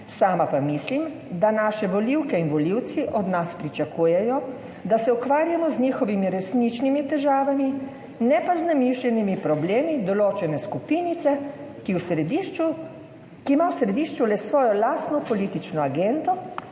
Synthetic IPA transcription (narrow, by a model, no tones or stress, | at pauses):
saːmapamislim | d̪anaːʃɛʋɔliwkɛinʋɔliwt̪siʔɔd̪naspɾit͡ʃakuːjɛjɔ | d̪asɛukʋaːɾjamɔzɲiːxɔʋimiɾɛsnit͡ʃnimit̪ɛʒaːʋami | nɛpaznɛmiʃlʲɛnimipɾɔbleːmid̪ɔloːt͡ʃɛnɛskupinit̪sɛ | kiwsiu | kimawsɾɛd̪iːʃt͡ʃulɛsʋɔːjɔlaːst̪nɔpɔliːt̪it͡ʃnɔaɡɛnd̪ɔ